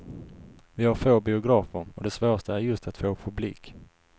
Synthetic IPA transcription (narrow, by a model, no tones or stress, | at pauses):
vɪhaɾfoːbɪʊɡɾɑːfəɾɔd̪ɛsvoːɾast̪əæɾjɵst̪at̪foːpʰɵblḭːk